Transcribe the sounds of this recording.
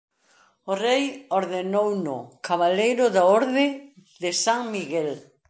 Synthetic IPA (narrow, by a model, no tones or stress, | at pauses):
ʊrejoɾðenownʊ̰kʰaβalejɾʊðaoɾðɪðɪsaŋmiɣɛl